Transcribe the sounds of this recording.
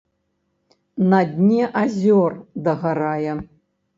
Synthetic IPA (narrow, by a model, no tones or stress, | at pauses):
nɐd̪ʲnʲɛʔazʲɔrd̪ɐɣaɾajɛ